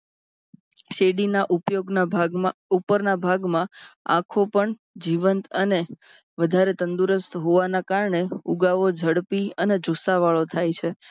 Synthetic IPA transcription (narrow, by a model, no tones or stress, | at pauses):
ʃeɽinaʔupjoɡnaupəɾnabʱaɡmãã̰kʰopəɳ | d͡ʒiʋənt̪əne | ʋəd̪ʱaɾet̪ənd̪uɾəst̪ɦoʋanakaɾɳeuɡaʋod͡ʒʱəɽpiəned͡ʒʱusaʋaɭot̪ʰajt͡ʃʰe